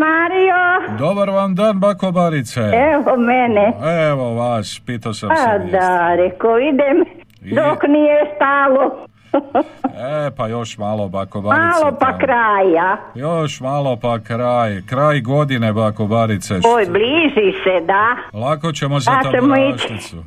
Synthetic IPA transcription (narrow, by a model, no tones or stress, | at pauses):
maːɾijod̪obaɾʋand̪aːnbakobaɾit̪seeʋomeneeʋoʋaspit̪asead̪aɾɛkoid̪em | id̪oknijest̪aːlo | epajo̞ʃmaːlˠobakobamaːlopakɾaːjajoʃmaːlˠopakɾaːjkɾaːjɡo̞d̪inebakobaɾit̪seojbliːzised̪alakot͡ɕemozaat͡ʃemoit͡ʃ̪isu